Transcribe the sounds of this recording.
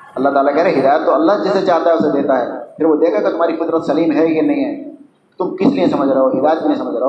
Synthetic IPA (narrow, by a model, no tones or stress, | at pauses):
ɐlːaɦt̪aːlakɛɦɾeɦɪd̪aːjət̪ːoɐlːaɦd͡ʒɪset͡ʃaːɾt̪aɦɛʊsed̪eːt̪aɦɛːpʰɪɾʋod̪eːkʰaket̪ʊm̤ɦaːɾikʊd̪ɾət̪sɐliːmɦɛjenɐɦĩɦɛː | t̪ʊmkɪsliẽsɐməd͡ʒʱɾɐɦoːɦɪd̪aːjət̪̚keliẽsɐməd͡ʒʱɾeɦoː